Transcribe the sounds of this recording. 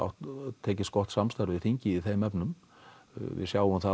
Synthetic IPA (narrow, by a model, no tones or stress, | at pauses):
a̰wt̪t̪ʰːɛːcɪst̪̚kɔht̪samst̪aɾvɪðθiɲcɪiðθejmɛpnʏm | vɪ̰ðsjaːwʏmθa